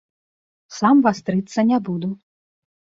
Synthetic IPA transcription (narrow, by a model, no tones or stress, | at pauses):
samvast̪ɾɨt̪sːɐnʲabud̪u